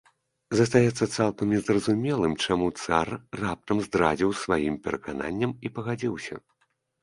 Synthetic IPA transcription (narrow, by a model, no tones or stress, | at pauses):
zɐs̬t̪ajɛt̪sːɐt̪salˠkɐmnʲɛzrɐzumʲɛlˠɨmt͡ʂamut̪sarːap̚t̪ɐmzd̪ɾad͡zʲiwsvajimpʲɛɾɐkana̰nʲːɐmipɐɣad͡zʲiwsʲɐ̰